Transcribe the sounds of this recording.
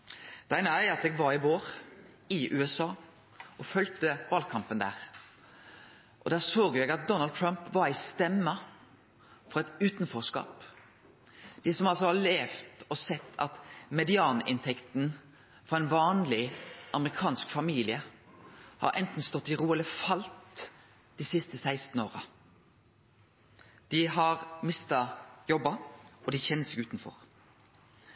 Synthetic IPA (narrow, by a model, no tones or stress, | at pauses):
d̪̥æɪnəæɪɑt̪ɛːɡʋɑɾɪʋoːɾ | ɪʔʉːɛsɑː | ʔɔfœlt̪əʋɑlkʰɑmpənd̪æ̰ːʁ | ʔɔd̪æːsoːɡjʊjɛɡɑt̪̚d̪ɔnɑld̪̚t̪ʰɹampʋɑɾæɪst̪ɛmːə | fɔʁɑɛt̪ʉːt̪nfɔskɑ̰ːp | d̪̥ɪsɔmɑlsɔhɑleːft̪ɔsɛt̪ʰːɑ̰t̪mɛd̪ɪɑːnʔɪ̰nt̪ʰɛkt̪n̩ | fɔɾæɪnʋɑːnlɪʔɑməʁɪkʰɑːnskfɑmiːlɪə | hɑ̰ɾʔɛ̰nt̪n̩st̪ɔt̪ːɪʁuːɛləfɑlt̪ | d̪̥ɪːsɪst̪əsæɪst̪n̩oːʁə | d̪̥ɪhɑʁmɪst̪ɑjɔbɑɔd̪ɪçɛnːəsɛːɡʉːt̪nfɔ̰ʁ